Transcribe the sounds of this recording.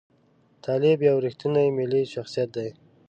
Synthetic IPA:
t̪ʰɑlɪbjawɾixt̪inajmɪliʃaxsijat̪̚d̪aj

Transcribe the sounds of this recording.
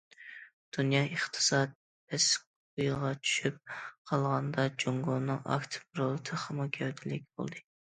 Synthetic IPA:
d̪̥unjɑəχt̪ʰɨ̥sɑt̪̚ | bɛsk | ojˠʁɑt͡ʃʰy̥ʃyp̚qʰɑlˠʁɑnd̪ɑd͡ʒoŋɡonːɨŋɑ̰kt̪ʰɨ̥pɾolˠɨt̪ʰɨχɑmukʲʰɛwd̪ʰɪlɪk̚ʲbo̰lˠd̪ɨ

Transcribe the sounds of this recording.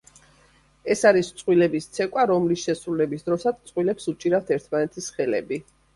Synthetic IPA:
ɛsaɾist̪sʼwilɛbist̪sʰɛkʼwaɾɔmlisʃɛsɾulɛbisd̪ɾɔsad̪sʼqʼwilɛpsut͡ʃʼiɾaft̪ʰɛɾt̪ʰmanɛt̪ʰisχɛlɛ̰bi

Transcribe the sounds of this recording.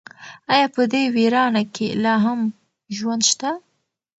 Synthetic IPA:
ɑjɑːpəd̪ewiɾɑnakʰelɑɦam | ʒwand̪ʃt̪a

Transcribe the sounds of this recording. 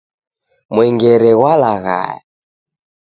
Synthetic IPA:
mwɛŋɡɛɾɛɣwalaɣa̰ja

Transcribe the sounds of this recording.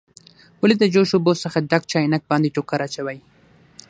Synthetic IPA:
wʊlid̪əd͡ʒoʃubosəxaɖak̚t͡ʃɑjnak̚bɑnd̪iʈokaɾat͡ʃawaj

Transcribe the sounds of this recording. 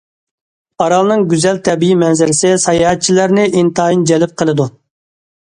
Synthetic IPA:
ɑɾɑlˠnɨŋɡʲyzɛlt̪ʰɛbijimɛnzɪɾɪsɪsɑjɑhɛt̪̚t͡ʃʰilæɾnɪʔint̪ɑːind͡ʒɛlɪp̚qʰəlˠɨd̪u

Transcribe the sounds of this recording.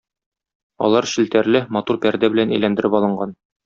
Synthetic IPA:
ɒ̰lˠɑɾɕɘ̆lt̪æɾlɘmɒt̪uɾpæɾd̪æbɘ̆lænæjlænd̪ɘ̆ɾɘpɒlˠɤ̆ɴɢɑn

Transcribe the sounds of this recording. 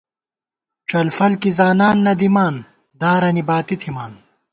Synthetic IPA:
t͡ɕɐlfɐlkizaːnaːnːɐd̪imaːn | d̪aːɾɐnibaːt̪it̪ʰimaːn

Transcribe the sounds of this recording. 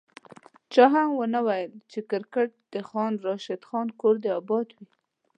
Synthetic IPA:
t͡ʃɑɦamwənawajəlt͡ʃekɪɾkəʈ̚d̪̥əxɑnɾɑʃɪd̪xɑnkoɾd̪əabɑt̪wi

